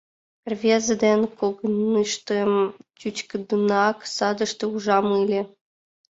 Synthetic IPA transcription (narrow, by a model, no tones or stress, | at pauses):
rvʲezəd̪enʲkoɡənɨʃt̪əmt͡ɕut͡ɕkə̆d̪unɑksɑd̪ə̆ʃt̪ĕuʒɑmɯlʲĕ